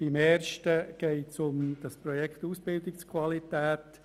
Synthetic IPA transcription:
b̥ɪmɛːɾʃtəɡ̥ɛɪtt͡sʊmd̥ɑspɾɔjɛktuːsb̥ɪldɪkskʰvalitɛːt

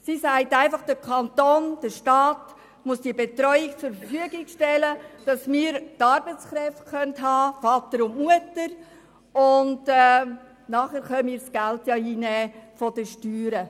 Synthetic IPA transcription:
sisæɪtæɪnfɑχd̥əkʰɑntoːnd̥əʃtɑːt | muəsd̥iəbetɾɔʏɪkt͡sʊɾfəɾfyəɡɪɡʃtɛləd̥ɑsmɪːɾtɑɾbət͡sχɾɛftχœntɦɑːfɑtəɾʊntmuətəɾ | ʊndɛ | nɑːχæːɾχœnmiːɾsɡ̥æltjɑiːnɛːfɔd̥əʃtyːɾə

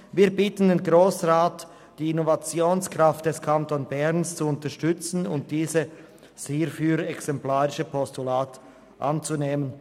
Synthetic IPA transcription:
viːɐbitən̩denɡʁoːsʁaːt | d̥iːɪnovat͡sjoːnskʁ̥aft̚d̥ɛskʰantonbɛʁnst͡suʊntɐʃtʏt͡sn̩ʊnt̚d̥iːzə | seːfyːɾɛksɛmplaːʁɪʃəpʰɔstulaːt | ʔa̰nt͡suneːmən

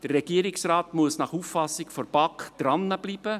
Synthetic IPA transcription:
d̥ərːɛɡ̥iəɾiksrɑːtmuəsnɑχuffɑsːɪkfɔɾb̥ɑkχd̪̥ɾɑnːəbliːb̥ə

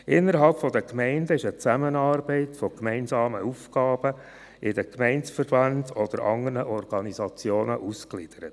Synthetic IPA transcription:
ʔɪnːəɾɦɑlpfɔd̪əkmɛɪndəɪʃət͡sæmənɑːɾbɛɪtfɔkmɛɪnsɑːməufɡ̥ɑːb̥ə | ʔɪdəkmɛɪnsfəɾbɑntɔd̥̪əɾʔɑ̰ŋəɾnəʔɔrɡ̥ɑnizɑt͡sjoːnəʔusklid̥əɾət

